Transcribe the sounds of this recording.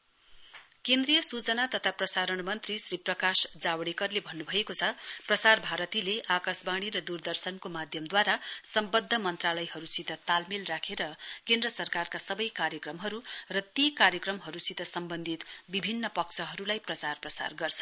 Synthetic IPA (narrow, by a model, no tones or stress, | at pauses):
kend̪rijʌsut͡sʌnat̪ʌt̪ʰaprʌsaɾʌɳmʌnt̪risriprʌkasd͡zawɽikʌrlebʱʌnːubʱʌjekot͡sʰʌprʌsarbʱaɾʌt̪ileʔakasbaɽ̃iɾʌd̪urd̪ʌrsʌnkomad̪ʱjʌmd̪waɾasʌmbʌd̪ʱːʌmʌnt̪ralʌjɦʌɾusit̪ʌt̪almilrakʰeɾʌkend̪rʌsʌrkarkasʌbʌjkaɾjʌkrʌmɦʌɾurʌt̪ikaɾjʌkrʌmɦʌɾusit̪ʌsʌmbʌnd̪ʱit̪bibʱinːʌpʌkt͡sʰʌɦʌɾulajprʌt͡sarprʌsa̰rɡʌrt͡sʰʌ̥n